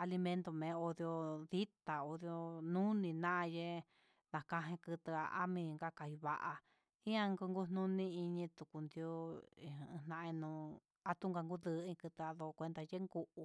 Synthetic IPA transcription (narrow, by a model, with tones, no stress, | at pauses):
a˧li˧mẽ˧nt̪o˧mẽ˨˦o˧ðjo˧ði˦t̪a˨o˧ðjo˧nũ˦nĩ˧nã˦ʔje˦ | nã˨kã˧ɦẽ˧kɨ˧t̪ɨ˧a̰˧ʔa˦mĩ˧ŋɡa˦ka˧hi˧βa˧ʔa˧ | ĩ˦ã˦ŋɡu˧ŋɡu˦n̥nũ˦nĩ˦i˧ɲĩ˧t̪u˨ku˨˧nd̪jo˦ĩ˨˧nã˧ʔe˧nũ˧ | a˧t̪u˦ŋɡa˧ŋɡu˦ðɨ˧˦ĩ˧kɨ˧t̪ɨ˧a˧ðo˧kʷe˧nd̪a˧je˦ŋɡu˧ʔu˧